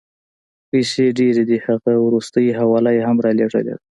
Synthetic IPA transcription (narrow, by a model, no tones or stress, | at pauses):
pəjseɖeɾed̪ihaɣawɾust̪əjɦawɑlajehamɾɑleʐə̰lḛ